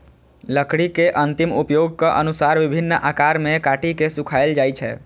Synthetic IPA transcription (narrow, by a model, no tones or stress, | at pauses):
ləkɽikeʔənt̪imupjoɡ̚kəʔənusaɾbibʱinːʔakaɾmekaʈikesukʰajld͡ʒajt͡ʃʰɛ̰